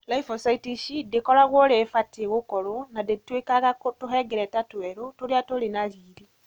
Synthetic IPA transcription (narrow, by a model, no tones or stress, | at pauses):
laifɔsaitiʃidekɔɾaɣwɔɾefateɣokɔɾonadetwekaɣakotoɦɛɡɛɾɛtatwɛɾotoɾeatoɾenaɾiːɾi